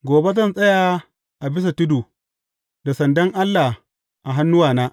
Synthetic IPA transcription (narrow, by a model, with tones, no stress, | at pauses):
ɡʷoː˨be˦zɐ˦nsʼɐ˦jaː˨ | ʔa˨bɪ˦s̬a˨tʊ˦duː˨ | da˨sɐ˨ndɐ˦ŋʔa˦lːa˨ | ʔa˨ɦa˦nːʊ˦waː˨naː˦ʔ